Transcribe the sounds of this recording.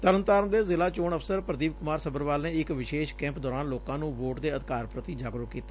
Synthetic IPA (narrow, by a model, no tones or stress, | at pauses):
t̪əɾənt̪aːɾənd̪eːzɪlaːt͡ʃoːɳəpʰsəɾpɾəd̪iːʋkʊmaːɾsəbəɾʋaːlnẽːɪkʋɪʃeːʃkɛ̃ːmpd̪ɔːɾaːnloːkãːnũːʋoːʈd̪eːəd̪kaːɾpɾət̪iːd͡ʒaːɡɾʊkiːt̪ḁː